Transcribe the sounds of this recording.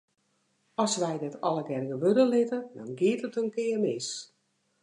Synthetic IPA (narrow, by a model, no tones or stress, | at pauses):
ɔsʋɛjdɪtʰɔləɡɛrɡəʋødəlɪtədɔnɡɪətətənkɪərmɪs